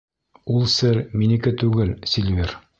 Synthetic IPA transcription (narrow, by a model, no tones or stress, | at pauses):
ulˠsɘɾminikɘt̪ʉɡɘlsʲilʲvʲiɾ